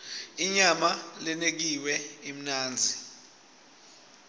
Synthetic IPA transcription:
iɲamalɛnek̬iwɛim̩naːnd͡zʱi

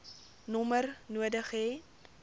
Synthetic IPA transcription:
nɔmərnuədəχeː

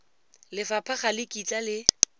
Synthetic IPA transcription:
lɪfapʰaχalɪkʼit͡sʼalɪ

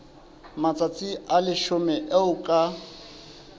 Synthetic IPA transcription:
mat͡sʼat͡sʼiʔalɪʃʊmɛʔeʊkʼa

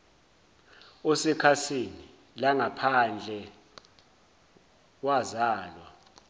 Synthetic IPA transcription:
ɔsɛkʰasini | laŋapʰand͡ɮʱɛ | wazaːlwa

